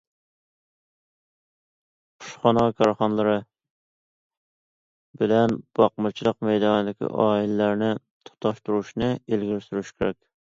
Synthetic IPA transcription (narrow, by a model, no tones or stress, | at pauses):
qʰʊ̥ʃχɑnɑkʰɑɾχɑnlˠɨɾɨ | bɪlɛnb̥ɑqmɨt͡ʃʰilˠəqmɛjd̪ɑnɨd̪ɪkʲḭʔɑːilɪlæɾnɪ | t̪ʰʊ̥t̪ʰɑʃt̪uɾuʃnɨelɡʲɪɾsyɾyʃkʲʰeɾɛkʲ